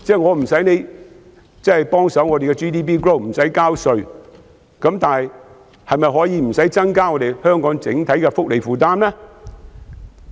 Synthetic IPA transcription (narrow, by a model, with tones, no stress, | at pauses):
t͡sɛː˥˩ŋɔː˨˧m̩˨˩sɐ˨˥jne˨˧j | t͡sɐ˥hɐ˨˩jpɔː˥ŋsɐ˨˥wŋɔː˨˧e˨jkɛ˧t͡ʃiː˥t̪iː˥p̬iː˥kɹo˥˩wm̩˨˩sɐ˨˥jkaː˥wsɵ˨ɥ | kɐ˨˥mt̪aː˨nɦj | hɐ˨jmɐ˨jɦɔː˨˥jiː˨˧m̩˨˩sɐ˨˥jt͡sɐ˥ŋkaː˥ŋɔ˨˧ɾe˨jhœː˥ŋkɔː˨˥ŋt͡sɪ˨˥ŋt̪ʰɐ˨˥jkɛ˧fʊ˥k̚le˨˩jfuː˨t̪aː˥mlɛː˥